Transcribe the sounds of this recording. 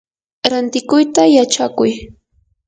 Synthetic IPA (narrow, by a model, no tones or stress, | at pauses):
ɾant̪ɪkʊjt̪ajat͡ʃakʊj